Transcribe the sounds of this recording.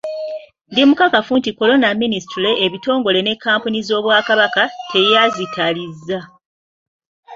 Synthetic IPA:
ndimukakafuntiko̞lo̞naministule̞ʔːβito̞ːŋɡo̞le̞ne̞kːaːmpunizo̞ːβwaːkaβakate̞jazitʰalizːa

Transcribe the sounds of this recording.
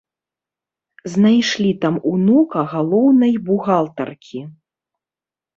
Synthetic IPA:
znajʂlʲit̪amunukɐɣalˠɔwnɐjbuɣalˠt̪ɐ̰rkʲʰi

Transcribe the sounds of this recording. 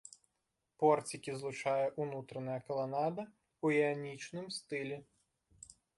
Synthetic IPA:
pɔrt͡sʲikʲizlˠʊt͡ʃɑjɛʔunut̪ɾɐnɐjɐkɐlˠɐnɑd̪ɐ | uɛɐnʲit͡ʃnɪmst̪ɪlʲi

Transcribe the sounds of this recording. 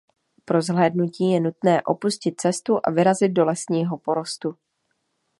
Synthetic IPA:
pɾo̞zɦlɛːdnuciːjɛnut̪nɛːʔo̞puscɪt̪̚t͡sɛst̪uʔa̰vɪɾazɪd̪̚do̞lɛsɲiːɦo̞po̞ɾo̞st̪u

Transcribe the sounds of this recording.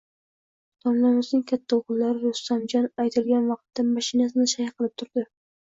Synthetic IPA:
t̪ʰɒnlamɪznɪŋkʲʰat̪ʰːaoʁɨlˠːaɾɪɾʊst̪amd͡ʒɒnajt̪ʰɪlɡʲanvɑq̚t̪ːamaʃɪnasɪnɪʃajqʰɨlˠɪp̚t̪ʰʊɾd̪ɪ

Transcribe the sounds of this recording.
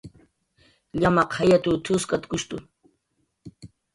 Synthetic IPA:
ʎamɑqajat̪ut̪ʰʊskʼat̪kʊʃt̪ʊ

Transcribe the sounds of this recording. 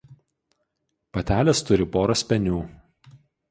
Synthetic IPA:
pɐt̪ʲæːlʲɛst̪ʊɾʲɪpoːɾɐsʲpʲɛnʲuː

